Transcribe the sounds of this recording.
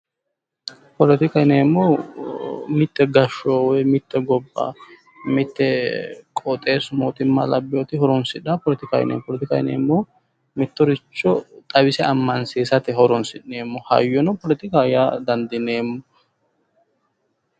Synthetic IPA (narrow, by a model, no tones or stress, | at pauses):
pɔlɛt̪ɪkɐjneːmːɔ | mɪt̪ːɛɡɐʃɔwɔjmɪt̪ːɛɡɔbːɐ̰ | mɪt̪ːɛkʼɔt̪ʼe̞ːsmoːt̪ʼɪmːɐ̰lɐbːɪjɔt̪ɪhɔɾɔnsɪᶑapɔlɛt̪ɪkɐ̰j̰nḛːpɔlɛt̪ɪkɐjnḛːmːɔ | mɪt̪ːɔɾɪt͡ʃːɔt̪ʼɐbɪsɛɐmːɐnseːsɐt̪ɪhɔɾɔnsɪnːeːmːɔhɐ̰jːɔnɔpɔlɛt̪ɪkajad̪ɐnd̪ɪneːmːɔ